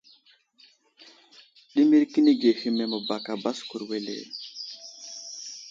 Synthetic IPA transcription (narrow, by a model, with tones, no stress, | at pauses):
ɗi˦mi˦ɾki˦ni˦ɡe˨hi˦me˨mə˨ba˨ka˨ba˦sku˨ɾwe˨lḛ˨